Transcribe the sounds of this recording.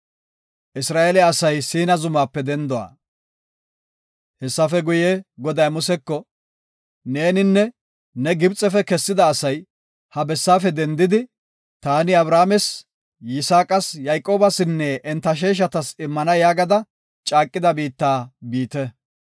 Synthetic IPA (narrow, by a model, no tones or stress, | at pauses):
ʔɪsɾaːʔelɛɐsɐjsiːnɐzʊmaːpːɛd̪ɛnd̪ɔwa̰ː | hɛsːɐfɛɡʊjeɡɔd̪ɐjmʊsɛkːɔ | ne̞ːnɪnːɛ | nɛɡɪbt͡sʼɛfɛkɛsːɪd̪ɐːsɐj | hɐbɛsːaːfɛd̪ɛnd̪ɪd̪ɪ | t̪aːnɪɐbɾaːmɛs | jɪsaːkʼɐsjɐjkʼo̞ːbɐsɪnːɛʔːnt̪ːɐʃ̬eːʃ̬ɐt̪ɐsɪmːɐnɐjaːɡɐd̪ɐ | t͡ʃʼaːkʼːɪd̪ɐbiːt̪ːaːbiːt̪ɛ